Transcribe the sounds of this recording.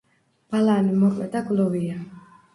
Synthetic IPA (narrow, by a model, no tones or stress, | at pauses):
b̥alaːnimɔkʼlɛd̪aɡlɔvia